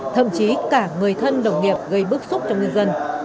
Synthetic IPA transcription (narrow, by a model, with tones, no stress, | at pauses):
t̪ʰə̰˧˨mt͡ɕi˨˦kaː˧˩ŋɨ˨˩əjt̪ʰə˧nɗə˨˩wŋ͡mŋi˨˩əp̚ɣə˧jɓɨ˦˥ək̚sʊ˦˥k͡p̚t͡ɕɔ˧ŋ͡mŋɲɨ˧nzə˧n